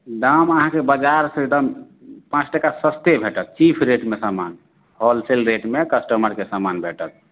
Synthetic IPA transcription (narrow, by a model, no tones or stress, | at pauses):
ɖaməɦãkebəd͡ʒaɾsə̃ed̪əm | pãt͡ʃʈəkasəst̪ebʱeʈət̪̚t͡ʃipʰɾeʈmesaman | hɔlselɾeʈmekəsʈəməɾkesamanbʱeʈət̪̚